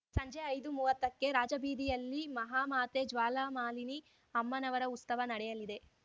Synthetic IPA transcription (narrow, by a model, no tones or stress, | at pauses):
sɐɲd͡ʒeɐjd̪umuːʋɐt̪ːɐkːe̞ɾaːd͡ʒɐbiːd̪ijɐlːimɐɦaːmaːt̪ed͡ʒʋaːlaːmaːlini | ɐmːɐnɐʋɐɾɐut̪sɐʋɐnɐɽɛjɐlid̪e̞